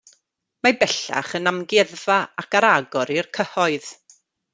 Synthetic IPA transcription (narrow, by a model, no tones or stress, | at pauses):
mabɛɬa̰χənamɡɛðvaakaɾaɡɔɾirkʰəhɔɨð̥